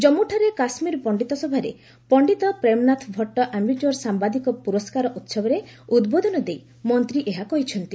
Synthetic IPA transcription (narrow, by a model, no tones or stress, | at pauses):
d͡ʒɔmuʈʰaɾekasmiɾpɔɳɖit̪ɔsɔbʱaɾe | pɔɳɖit̪ɔpɾemnat̪ʰbʱɔʈːɔʔamuʈuɔɾsambad̪ikɔpuɾɔskaɾɔʔut̪sɔbɔɾeud̪bod̪ʱɔnɔd̪ej | mɔnt̪ɾiʔeɦakɔɦit͡ʃʰɔnt̪i